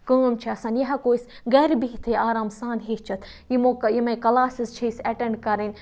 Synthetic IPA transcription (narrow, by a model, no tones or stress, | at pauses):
kəːmt͡ʃʰiɐsaːnjɐɦɐkoːis | ɡɛːɾbiɦt̪ʰeaːɾaːmsaːnɦit͡ʃʰɐt̪ʰ | jimokjimɐ̃kɐlaːsizt͡ʃʰiisɐʈẽɳɖkɐɾin